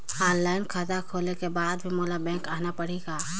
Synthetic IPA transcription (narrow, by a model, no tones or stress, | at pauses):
aːɾlaːɪnkʰaːt̪akʰoːlekebaːd̪bʱimoːlabɛ̃ːŋkaːnapəɽ̤iɡaː